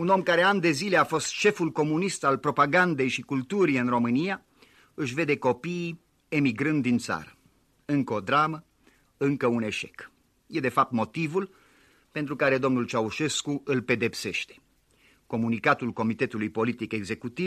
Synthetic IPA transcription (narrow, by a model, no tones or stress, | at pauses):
uno̞mkaɾe̞and̪e̞zile̞afo̞st̪ʃe̞fulko̞munist̪alpɾo̞paɡand̪e̞jʃikult̪uɾiɨnro̞mɨnija | ɨʃ̬ve̞d̪e̞ko̞piː | e̞miɡɾɨnd̪ːint̪sa̰ɾə | ɨŋkəod̪ɾamə | ɨŋkəune̞ʃe̞k | je̞d̪e̞fap̚t̪mo̞t̪ivul | pe̞nt̪ɾukaɾe̞d̪o̞mnult͡ʃauʃe̞skuɨlpe̞d̪e̞pse̞ʃt̪e̥ | ko̞munikat̪ulko̞mit̪e̞t̪ulujpo̞lit̪ike̞ɡze̞kut̪iv